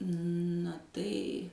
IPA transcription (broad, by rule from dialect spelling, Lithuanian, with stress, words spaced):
nɐ ˈtɐɪ